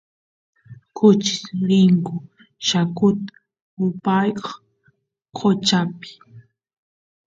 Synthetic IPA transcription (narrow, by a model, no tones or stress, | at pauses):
kʰʊt͡ʃɪ̥sɾɪŋkʊ | ʃakʊt̪ḁ | ʊpajkɑχ | qʰot͡ʃapɪ̥